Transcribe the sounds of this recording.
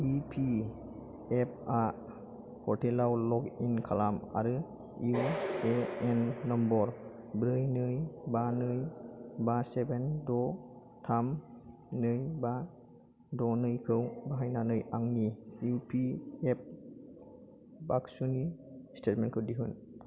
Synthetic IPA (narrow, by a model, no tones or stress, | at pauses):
ipʰi | ep̚ʰa | kʰɔɾtʰelawlɔɡinkʰalama̰ɾɯ | ueenːɔmbɔɾ | bɾɯjnɯjbanɯjbasebendɔ | tʰam | nɯjba | dɔnɯjkʰɯwbaɦajnanɯjaŋnijupʰiep̚ | baksunistʰet̚menkʰɯwdiɦɯn